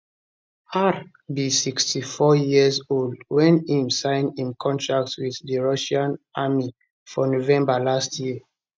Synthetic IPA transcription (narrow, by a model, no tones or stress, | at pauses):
aɾ | bisikstʰifɔjiəzoldwɛ̃nhĩmsãɪ̃nĩnkʰɔ̃ntɹak̚twiθðəɹaʃãnʔami | fɔnovɛ̃mbalastʰji